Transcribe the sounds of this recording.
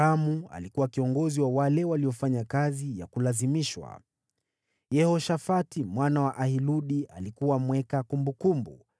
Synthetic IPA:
amua̰likuwakiɔŋɡɔziwawalɛwaliɔfaɲakazija̰kulazimiʃwa̰ | jɛhɔʃafatimwanawaʔahiluɗialikuwamwɛkakumbukumbṵ

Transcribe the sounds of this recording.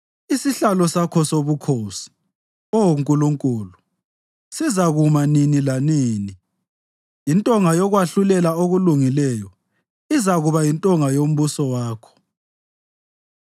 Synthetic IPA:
isiɬalɔsakʰɔsoβukʰoːsi̥ | owuŋkʼuluŋkʼuːlu | sizaɣumaninilaniːni | jintʼɔŋajɔɣwaɬulɛlaoɣuluŋilɛjɔ | izaɣuβajintʼɔŋajom̩βusɔwaːkʰɔ̥

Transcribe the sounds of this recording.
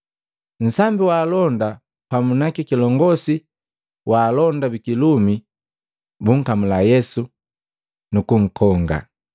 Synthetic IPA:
n̩sambiwaːlɔnda | pamunakikilɔŋɡɔsi | waːlɔndabikilumi | buŋ̩kamulajɛsu | nukuŋ̩kʰɔŋɡa̰

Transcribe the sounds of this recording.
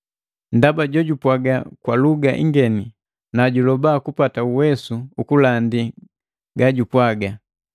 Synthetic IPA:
ndabaɟɔɟupwaɡakwaluɡaʔḭŋɡɛni | naɟulɔbakupatauwɛsuukulandi | ɡaɟupwaɡa

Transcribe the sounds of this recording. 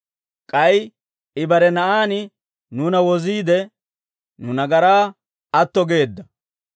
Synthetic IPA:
kʼɐj | ɪbɐɾɛnɐʔaːnɪ | nuːnɐwɔziːd̪ɛ | nʊnɐɡɐɾaː | ɐt̪ːɔɡe̞ːd̪ːɐ

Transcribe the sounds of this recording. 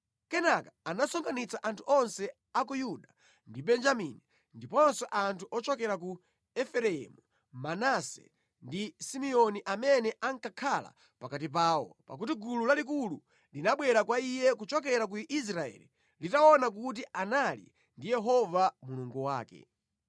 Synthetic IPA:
kɛnakḁːnasɔŋɡanit͡saʔantʰuʔɔnsɛ | akujuɗa | ndibɛnd͡ʒamini | ndipɔnsɛʔantʰuʔɔt͡ʃɔkɛɾaku | ɛfɛɾɛɛ̰mu | manasɛ̰ | ndisimiɔniʔamɛnɛʔaŋkakʰala̰ | pakat̬ip̬aːwɔ̰pa̰k̬utiɡululalik̬ulu | linaɓwɛɾakwaijɛkut͡ʃɔk̬ɛɾak̬uʔis̬ɾaɛ̰lḭ | litaɔnak̬ut̬iʔanalḭ | ndijɛɦɔvamuluŋɡuwa̰ːkɛ̰

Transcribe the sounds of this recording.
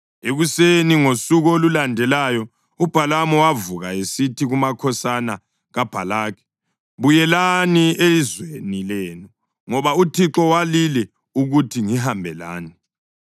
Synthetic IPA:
eɣuseniŋosuɣɔolulandʱɛlajɔ | ub̥ʱalamɔwavuɣaesitʰiɣumakʰɔsana | ɣab̥ʱalaːkʰɛ̥ | βujɛlanielizwenilɛːnu | ŋɔβautʰiǁɔwalilɛ | uɣutʰiŋiɦambʱɛla̰ːni

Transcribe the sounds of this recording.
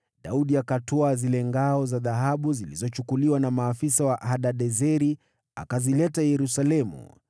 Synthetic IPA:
ɗauɗiakatɔazilɛŋɡaɔzaðaɦaɓuzilizɔt͡ʃukuliwanamaːfisawaʔaɗaɗɛzɛɾi | a̰kazilɛtajɛɾusalɛmṵ

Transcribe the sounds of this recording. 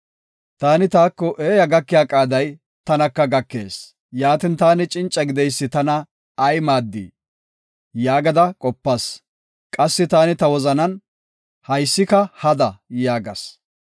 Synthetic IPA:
t̪aːnɪt̪aːkːɔʔeːjɐɡɐkːɪjaːkʼaːd̪ɐj | t̪ɐnɐkːɐɡɐkːe̞̰ːs | jaːt̪ɪnt̪aːnɪt͡ʃʼɪnt͡ʃʼːɐɡɪd̪ɛjsːɪt̪ɐnɐː | jmaːd̪ːḭː | jaːɡɐd̪ɐkʼɔpːɐs | kʼɐsːɪt̪aːnɪt̪ɐwɔzɐnɐn | hɐjsːɪkɐhɐd̪ɐjaːɡɐ̰s

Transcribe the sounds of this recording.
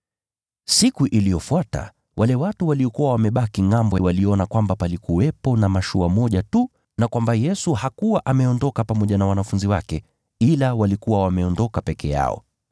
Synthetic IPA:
sikuʔilijɔfuata̰ | wʔalɛwatuwaliɔkuwawamɛɓakiŋambɔwaliɔnakwambapalikuwɛpɔnamaʃuamɔʄatu | nakwambajɛsuhakuwaʔamɛɔndɔkapamɔʄanawanafunziwakɛ | ilawalikuwawamɛɔndɔkapɛkʰɛ̰ja̰ɔ̰

